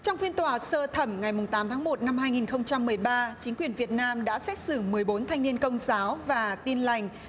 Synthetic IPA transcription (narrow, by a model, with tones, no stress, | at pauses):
t͡ɕɔ˧wŋ͡mfi˧ənt̪waː˧˨˩səː˧t̪ʰə˧˩mŋa˨˩jmʊ˨˩ŋ͡mt̪aː˨˦mt̪ʰaː˨˦ŋmo˨˩t̚na˧mhaː˧jŋi˨˩nxə˧wŋ͡mt͡ɕa˧mːɨ˨˩əjɓaː˧t͡ɕï˨˦ŋ̟kwi˨˩ənvi˨˩ət̚naː˧mɗa̰ː˧˥sɛ̰˦˥t̚sɨ˧˩mɨ˨˩əjɓo˨˦nt̪ʰa˧jŋni˧ənkə˧wŋ͡mzaː˨˦wvaː˨˩t̪i˧ənla˨˩jŋ̟